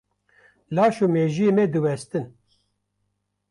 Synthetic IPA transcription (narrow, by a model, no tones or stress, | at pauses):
laːʃuːmeːʒimɛd̪ɨwɛst̪ɨn